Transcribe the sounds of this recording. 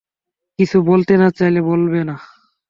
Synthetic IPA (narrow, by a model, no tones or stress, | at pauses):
kit͡ɕʰubolt̪enat͡ɕajlebolbena